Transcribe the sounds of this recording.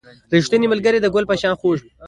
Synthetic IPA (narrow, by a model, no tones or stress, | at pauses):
ɾiʂt̪əniməlɡəɾed̪əɡʊlpaʃɑ̃xoʒ